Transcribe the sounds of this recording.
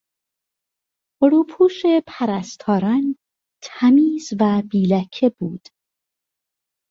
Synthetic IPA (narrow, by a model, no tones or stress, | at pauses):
oɾuːpʰuːʃepʰæɾæst̪ʰɒːɾɒn | t̪ʰæmiːzvæbiːlæcʰe̞buːd̪̥